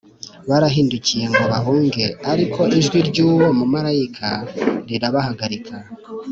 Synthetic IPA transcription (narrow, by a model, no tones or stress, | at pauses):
βaɾaɦiːnducije̞ŋɡaβaɦuːŋɡe̞aɾikʰo̞ʔiʒɡwiɾɟuːwo̞mumaɾajikʰaɾiɾaβahaɡaɾikʰa